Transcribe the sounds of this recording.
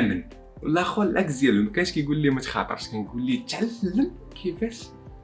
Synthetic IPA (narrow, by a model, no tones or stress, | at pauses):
mən | wlæxwælʔækzjælumkæʃkijɡulːimæt̪xɑ̰t̪ˤə̰ɾˤʃkænɡulːit̪ʕalːəm | kʰifæʃ